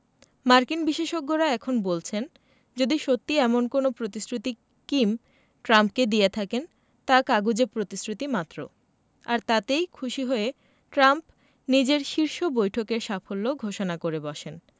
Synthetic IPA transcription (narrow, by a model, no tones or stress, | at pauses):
maɾkinbiʃeʃoɡ̚ːoɾaɛkʰonbolt͡ɕʰen | d͡ʑod̪iʃot̪ːiɛmonkonopɾot̪isɾut̪i | kim | ʈɾampked̪ijet̪ʰaken | t̪akaɡud͡ʑepɾot̪isɾut̪imat̪ːɾo̰ | aɾt̪at̪ejkʰuʃiɦoe | ʈɾamp | nid͡ʑeɾʃiɾʃobojʈʰokeɾʃafolːoɡʱoʃonakoɾebɔʃen